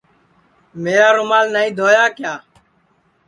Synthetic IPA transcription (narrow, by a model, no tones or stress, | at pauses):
meːɾaːɾʊmaːlnaːĩːd̪ʱoːjaːkjaː